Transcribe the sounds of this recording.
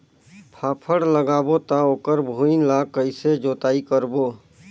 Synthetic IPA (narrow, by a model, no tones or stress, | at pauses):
pʰaːpʰəɽləɡaːbot̪aoːkəɾbʱuinlakəɪsed͡ʒot̪aːikəɾboː